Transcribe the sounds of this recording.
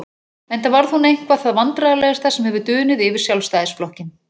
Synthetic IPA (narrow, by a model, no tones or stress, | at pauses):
ɛjnt̪avaɾðhunejŋ̥kvaθaðvant̪ɾaɣalɛɣast̪asɛmhɛvʏt̪ʏːnɪðɪvɪɾ̥sjawlst̪aːjðɪsplɔhcɪn